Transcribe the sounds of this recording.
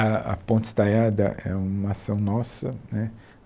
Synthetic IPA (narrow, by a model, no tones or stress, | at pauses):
ɐɐ̰põnt͡ʃ̪ɪst̪aʎad̪ɐ̰ʔɛ̰ũmɐasɐ̃w̃nɔsɐnɛ